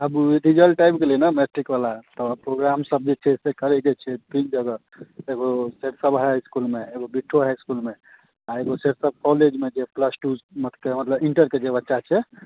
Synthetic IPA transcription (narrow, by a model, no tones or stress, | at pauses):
əbɖ̪id͡ʒəlʈajpkelenəmesʈɾikbalat̪ɔpɾoɡɾamsəb̚d͡ʒet͡ʃʰɛsekəɾɛd͡ʒɛt͡ʃʰɛpind͡ʒəɡə | eɡoseʈsəbɦɛskulmeeɡobiʈʰːoɦɛskulme | aeɡoseʈsəb̚kɔled͡ʒmed͡ʒepʰləsʈumət̪ʰkemət̪ləbiɳʈəɾked͡ʒebətːʃat͡ʃʰɛ